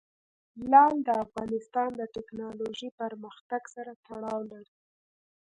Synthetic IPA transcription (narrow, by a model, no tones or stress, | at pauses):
lɑld̪əafɣɑnɪst̪ɑnd̪əʈɪknɑloʒipəɾməxt̪aɡsaɾat̪aɽɑwlaɽi